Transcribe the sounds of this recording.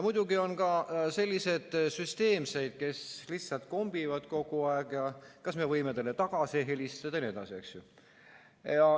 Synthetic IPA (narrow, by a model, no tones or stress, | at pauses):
mud̪̥uɡio̞nkɑse̞lʲːise̞d̪̥syst̪e̞ːmse̞jd̪̥̚ke̞slihsːɑlt̪̚ko̞mb̥ivɑd̪ko̞ɡ̥uɑeɡjɑkɑsme̞vɤjmet̪elːet̪ɑɡ̥ɑsiɦelʲist̪ɑd̪̥ɑnie̞d̪ɑ̰sie̞ksju | jɑ